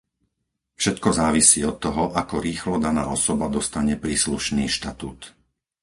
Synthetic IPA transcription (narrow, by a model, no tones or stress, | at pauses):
fʃɛt̪kɔzaːʋisiːɔt̪ːɔɦɔʔakɔɾiːxlɔd̪ana̰ːɔsɔbad̪ɔst̪aɲɛpɾiːsluʃniːʃt̪at̪uːt̪